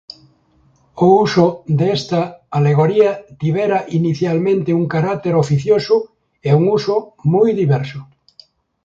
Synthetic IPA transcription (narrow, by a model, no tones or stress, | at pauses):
ousod̪ɛst̪aaleɣ̞oɾiat̪iβ̞eɾaʔiniθjalmẽnt̪euŋkaɾak̚t̪eɾofiθjosʊ | euŋusomujðiβɛɾsʊ